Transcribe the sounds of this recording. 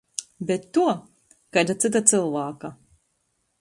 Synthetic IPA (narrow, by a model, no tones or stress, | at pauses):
bɛt̪ːuɔ | kajd̪at̪sɨt̪̬at̪sɨlˠvaːka